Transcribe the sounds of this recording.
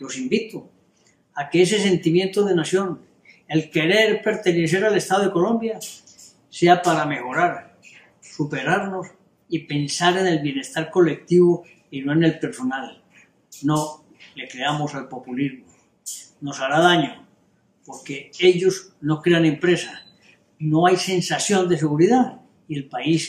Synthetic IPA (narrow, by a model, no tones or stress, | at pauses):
lo̞simbit̪o | akees̬e̞se̞nt̪imjẽ̞nt̪oðe̞nasjo̞n | e̞lke̞ɾe̞ɾpe̞ɾt̪e̞ne̞sθ̬e̞ɾale̞st̪aðoeko̞lõ̞mbja | se̞apaɾame̞xo̞ɾaɾ | supe̞ɾaɾno̞s | ipe̞nsaɾe̞ne̞lβje̞ne̞st̪aɾko̞le̞k̚t̪iβo | ino̞ene̞lpe̞ɾso̞nal | no̞ | le̞kɾeamo̞salpo̞pulizmo | no̞saɾaðaɲo | po̞ɾke̞e̞ʎo̞z | no̞kɾe̞anẽ̞mpɾe̞sa | no̞ajse̞nsaθjo̞nd̪e̞se̞ɣ̞uɾiða | ie̞lpais